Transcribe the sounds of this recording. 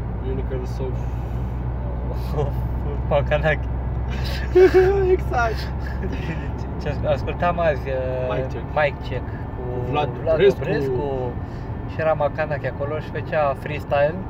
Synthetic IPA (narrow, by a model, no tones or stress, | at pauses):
junikɐlso | makanakʲ | eksakt̪ | t͡ʃasaskult̪amazʲ | majkt͡ʃek | kulavlaeɾeesku | ʃieɾamakanakʲakoloʃi̥fət͡ʃafɾist̪ajl